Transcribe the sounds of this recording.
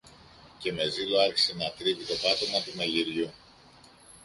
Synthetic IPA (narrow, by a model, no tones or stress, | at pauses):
ce̞me̞ziloɐɾçi̥senɐt̪ɾivit̪o̞pɐt̪o̞mɐt̪umeʎiɾʝu